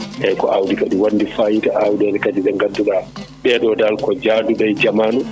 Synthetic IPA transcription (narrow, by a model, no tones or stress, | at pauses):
ʔɛjkɔʔawdikaɗuwanːdifajitaʔawdɛnɛkad͡ʒizɛŋɡantuɗaɓɛɗɔdalkɔd͡ʒaːduɗajd͡ʒamaːnu